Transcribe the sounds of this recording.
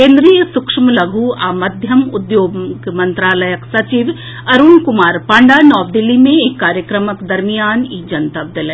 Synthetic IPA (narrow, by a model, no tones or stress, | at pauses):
kẽːnd̪ɾijəsʊkʂmlɐɡʱuaːmɐd̪ʱjəmʊ̰d̪joːɡmɐ̃nt̪ɾaːləjəksɐt͡ʃiʋ | ɐɾunkʊmaːɾpãːɳɖanɔːʋd̪ɪlːimẽeːkːaːɾjəkɾəməkd̪ɐɾmijaːniːd͡ʒɐnt̪ɐʋ̚d̪ɪlẽ